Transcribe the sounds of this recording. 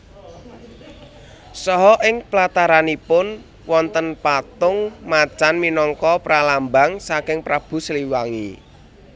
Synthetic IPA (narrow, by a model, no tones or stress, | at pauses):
sɔɦɔʔɪŋplat̪aɾanipʊn | wɔnt̪ənpat̪ʊŋmat͡ʃanminɔŋkɔpɾalambaŋsakɪŋpɾab̥ṳsəliwaŋḭ